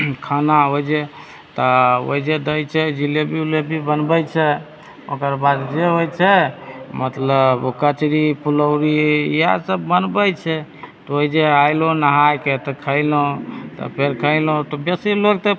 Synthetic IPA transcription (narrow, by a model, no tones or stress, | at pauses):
kʰanaoid͡ʒe | t̪ɔo̰id͡ʒed̪əjt͡ʃʰɛd͡ʒilebʱiulebʱibənbət͡ʃʰɛ | okəɾbad̪d͡ʒeɦojt͡ʃʰɛmət̪ləbokət͡ʃɾipuləwɾija̰səbːənbəjt͡ʃʰɛt̪ɔoid͡ʒeajlonəɦajket̪ɔkʰəɪlot̪ɔ̰pʰeɾkʰəɪlõt̪ɔbjesilok̚t̪e